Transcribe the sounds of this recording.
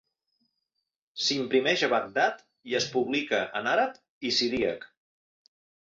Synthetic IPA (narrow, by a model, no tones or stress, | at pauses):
simpɾimɛʒəβak̚d̪at̪ | iəspuβlikəʔənaɾəp̚ | isiðiək